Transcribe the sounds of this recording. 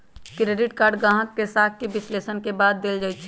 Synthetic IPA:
kɾeːɖɪʈkaːɾɖɡãːɦə̃kːesaːt̪̚ʰkebɪsleːsənkebaːd̪ːeld͡ʒaːjt͡ʃʰɛ

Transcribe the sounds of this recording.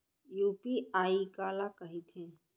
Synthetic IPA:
juːpiaːikaːlakəɦit̪ʰẽː

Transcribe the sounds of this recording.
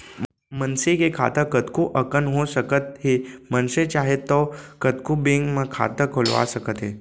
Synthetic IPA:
mənsekekʰa̰t̪əkət̪kuʔəkənɦosəkət̪̚ɦemənset͡ʃaɦet̪ːɔkəd̪kubeŋɡmə̃kʰa̰t̪əkʰolʋa̰səkət̪ɦe

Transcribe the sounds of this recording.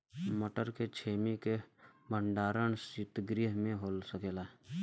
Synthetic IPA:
məʈəɾket͡ʃʰeːmikeməɳɖaːɾəɳsɪt̪ɡɾiɦmẽɦoːlsəkeːla

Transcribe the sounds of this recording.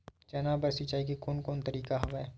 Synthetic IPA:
t͡ʃɐnabɐɾsit͡ʃaːikekoːnkoːnt̪ɐɾiːkaɦɐʋaɛ

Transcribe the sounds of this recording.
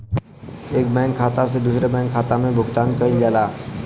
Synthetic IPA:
eːk̚bɛ̃ːŋɡkʰaːt̪ased̪uːsɾebɛ̃ːŋɡkʰaːt̪amẽbʱʊɡt̪aːnkəild͡ʒaːlaː

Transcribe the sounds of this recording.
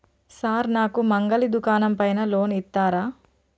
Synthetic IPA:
saːɾnaːkumɐŋɡɐlid̪ukaːnɐmpɐjnɐloːnit̪ːaːɾaː

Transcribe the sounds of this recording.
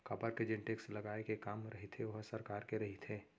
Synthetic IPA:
kɐbəɾked͡ʒɪ̃ɳʈekslɐɡaːekekaːmɾɐɦit̪ʰeʋɐɦsɐɾkaːɾkeɾɐɦit̪ʰeː

